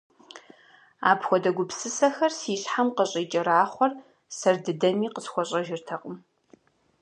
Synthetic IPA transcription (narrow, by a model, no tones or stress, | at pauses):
a̰ːpxʷɔdɐɡʷʊpsɨsɐxɐrsiːɕħamqəɕʼiːt͡ʃʼɐraːχʷɔr | sɐrdɨdɐmiːqəsxʷɔɕʼɐʒɪrtʰɐqʷʼʊm